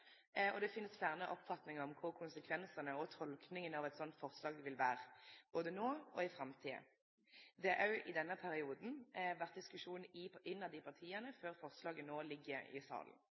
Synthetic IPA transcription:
ɔd̪ɛfɪnːəsfæʁnəʔɔpːfɑt̪nɪŋəɔmkʰʊʁkʰʊnsəkʰʋɛnsənəɔt̪ʰɔlknɪŋənɑʋɛt̪sɔnt̪fɔʁslɑːɡʋɪlʋæːʁəb̥oːd̪ənoːɔɪfɾɑmt̪ʰiːə̰ | d̪ɛʔɑʉʔɪd̪ɛnːəpʰæɾɪuːd̪n̩ʋæʁt̪̚d̪ɪskʉʂuːnɪɪnːɑd̪ɪpʰɑʁt̪ʰiːənəføːʁfɔʁslɑːɡənoːlɪɡːəɾɪ̰sɑ̰ːln̩

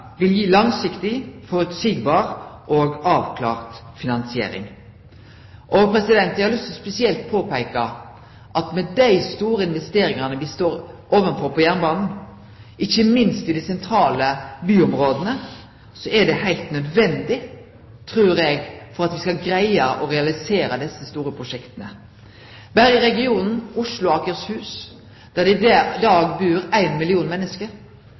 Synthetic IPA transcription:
ʋɪljiːlɑŋsɪkt̪ɪfɔɾʉt̪siːɡbɑːɾʔɔːɡɑːʋkʰlɑ̰ːʁt̪ | fɪnɑnsɪḛːɾɪ̰ŋ | ʔɔpʰɾɛsɪd̪ɛnt̪ɛhɑlʏst̪ɔspɛsɪɛlt̪̚pʰoːpæɪkɑ | ʔɑt̪mɛd̪æɪst̪uːɾəɪnʋɛst̪eːɾɪŋɑnəʋɪst̪oːɾʔoːʋənfɔɾpʰɔjæːʁnbɑːnn̩ | ʔɪçːəmɪnst̪ɪd̪ɪsɛnt̪ʰɾɑːləbyːɔmɾoːd̪ənə | sɔʔɛɖɛhæɪlt̪nœd̪ʋɛnd̪ɪ | t̪ʰɾʉːɾɛɡfɔɾɑt̪ʋɪskɑlɡɾæɪəʔɔɾɛɑlɪseːɾəd̪ɛsːəst̪uːɾəpʰɾʊʂɛkt̪ənə | bæɾjəɾɛɡɪuːnn̩ʊʂlʊɑkəɾshʉːs | d̪̥æd̪ɛɪd̪ɑːɡbʉːɾæɪnmɪlɪuːnmɛnːəskəɾ

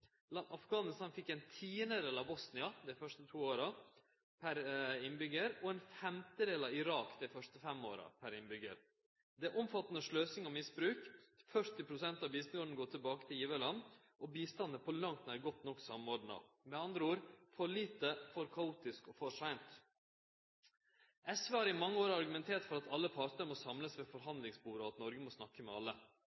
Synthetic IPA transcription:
lɑʔɑfɡɑːnɪst̪ɑnfɪkːɛɪnt̪ʰiːənəd̪eːlɑbɔsnɪɑd̪ɛfœʂtət̪ʰuːoːɾɑ | pʰæɾɪnbʏɡəɾɔɛnfɛmt̪əd̪eːlɑʋɪɾɑːkd̪ɛfœʂʈəfɛmo̰ːɾɑ̰pʰæɾɪnbʏɡə̰ɾ | d̪ɛæʔɔmfɑt̪ːnəʂløːsɪŋɔmɪsbɾʉːkfœʂʈ̪ɪpʰɾʊsɛnt̪ɑbist̪ŋɔd̪ɳn̩ɡoːʈ̪ʰɪlbɑːkət̪ʰɪljiːʋəlɑn | ʔɔbiːst̪ɑnəpʰɔlɑŋt̪næɾɡɔt̪nɔkːsɑmoːɖɳɑ̰ | mɛɑnd̪ɾəuːɾfɔɭiːt̪əfɔɾkʰɑuːt̪ɪskɔfɔʂæɪnt̪ | ʔɛsʋeːhɑːɾɪmɑŋːəoːɾɑɾɡʉmɛnt̪ʰeːʈfɔɾɑt̪ʰɑlːəpʰɑɾʈ̪əɾmɔsɑmləsʋeːfɔɾɦɑnd̪lɪŋsbuːɾəɔɑt̪nɔɾɡəmɔsnɑkːəmɛɑlːə

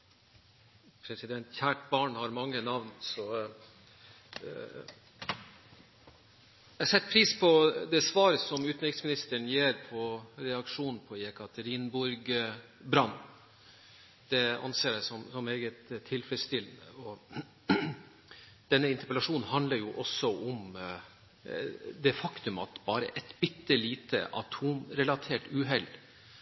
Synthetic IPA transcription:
pʰɾɛsɪd̪ɛnt̪çæːʈbɑːɳhɑɾmɑŋːənɑʋnsɔ | jɛsɛt̪ːpʰɾiːspʰɔd̪ɛsʋɑːɾəsɔmʉːt̪nɾɪk̪smɪnɪst̪əɳjeːɾpʰɔɾɛɑkʂuːnn̩pʰɔjɛkɑt̪ʰəɾiːnbʊɾɡ | bɾɑnː | d̪̥ɛɑ̰nseːɾæɪsɔmsɔmeːɡət̪ʰːɪlfɾɛst̪ɪlnəɔ | d̪̥ɛnːəɪnt̪əpəlɑʂuːn̩hɑnd̪ləɾjʊʔɔsːɔʔʊm | d̪ɛfɑkt̪ʉmɑ̰t̪bɑːɾə̰ʔɛt̪b̥ɪt̪ːəliːt̪ʰə̰ʔɑ̰t̪ʰuːmɾɛlɑt̪ʰeːʈʉːɦɛl

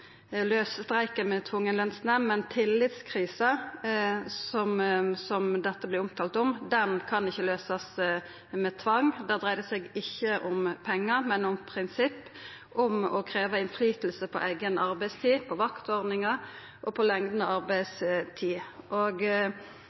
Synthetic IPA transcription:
løːsst̪ɾæɪkəmɛt̪ʰʋʊŋːənlɛnsnəmɛnt̪ʰɪlːɪt̪skʰɾiːsɑ | sɔmsɔmd̪ɛt̪ːəblɪʊmt̪ʰɑːlt̪ɔmd̪ɛnkʰɑnɪçːəløːsɑs | mɛt̪ʰʋɑŋd̪ɛd̪ʁæɪd̪əsɛɡɪçːəʔʊmpʰɛŋːəɾmɛnʊmpʰɾɪnsɪpː | ɔmɔkʰɾeːʋəɪnflyːt̪lsəpʰɔ̰ʔæ̰ɪɡənɑɾbæɪst̪ʰiːpʰɔʋɑkt̪ɔʁd̪nɪŋɑ | ʔɔpʰɔlɛŋd̪nəɑʁbæɪst̪ʰiːʔoɡ

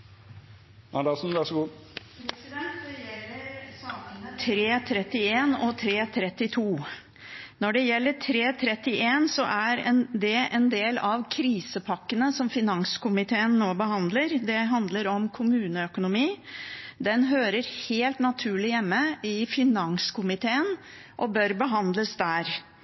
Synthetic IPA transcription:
ɑd̪ɑːsn̩ʋæʂɔɡuː | ɛ | t̪ʰɾeːt̪ʰɾɛt̪ːɪeːnɔt̪ʰɾeːt̪ʰɾɛt̪ːɪt̪ʰuː | nɔɖɛjɛlːəʈʰɾeːt̪ʰɾɛt̪ːɪʔeːnsɔʔæɾɛnd̪ɛʔɛnd̪eːlɑʋkʰɾiːsəpʰɑkːənəsɔmfɪnɑŋskʊmɪt̪ʰeːənːoːbəhɑnd̪ləɾd̪ɛɦɑnd̪ləɾɔmkʰʊmʉːnəœkʊnʊmiːd̪ɛnɦøːɾəɾheːlt̪nɑt̪ʰʉːɭɪjɛmːəɪfɪnɑŋskʰʊmɪt̪ʰeːən | ʔɔbœɾbəɦɑnd̪ləsd̪æːɾ

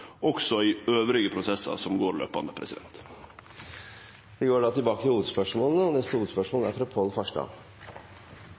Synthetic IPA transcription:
ʔɔksɔiːøːʋɾɪɡəpʰɾʊsɛsɑ̰sɔmɡoːɾlø̰ːpɑnd̪əpʰɾɛ̰sɪd̪ɛnt̪ | ʋɪɡoːɖɑːt̪ʰɪlbɑːkət̪ʰɪluːʋət̪spœʂmoːlnəɔnɛst̪əhuːət̪spœʂmoːlæɾfɾɑpʰolfɑʂɖɑ̰ː

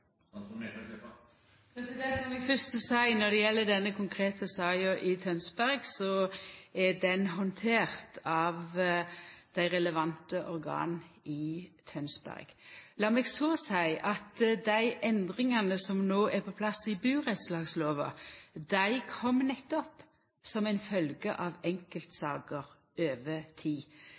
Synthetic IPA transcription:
pʰɛsɪd̪ɛsɔmɛɡfœst̪əsæɪnɔd̪ɛjɛlːəd̪ɛnːəkʰʊŋkʰɾeːt̪əsɑːɑʔɪt̪ʰœnsbæɾɡsɔæd̪ɛnɦɔnt̪ʰeːɾt̪ʰɑʋ | d̪̥æɪɾɛləʋɑnt̪əʔɔɾɡɑ̰ːnɪt̪ʰœnsbæ̰ʁɡ̥lɑːmɛːɡsoːsæɪʔɑt̪d̪æɪʔɛnd̪ʁɪŋɑnəsɔmnoːʔæpʰɔpʰlɑsɪbʉːʁɛt̪slɑːɡsloːʋɑ̰d̪æɪkʰɔmːnɛt̪ːɔp | sɔmæɪnfœlɡəʔɑʋɛŋkəlt̪sɑːɡəʁ | øːʋət̪ʰiː

